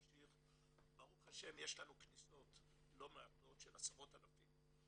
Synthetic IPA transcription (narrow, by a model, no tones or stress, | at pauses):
ʃiχ | baʁuχaʃe̞mjeʃlanukniso̞t | lo̞meato̞tʃelasavo̞talafim